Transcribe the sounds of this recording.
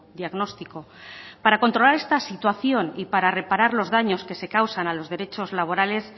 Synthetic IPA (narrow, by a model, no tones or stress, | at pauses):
d̪iaɣno̞st̪iko̞ | paɾako̞nt̪ɾo̞laɾe̞st̪asit̪waθjo̞nipaɾare̞paɾaɾlo̞zðaɲo̞ske̞se̞kawsanalo̞zð̞e̞ɾe̞t͡ʃo̞zlaβ̞o̞ɾale̞s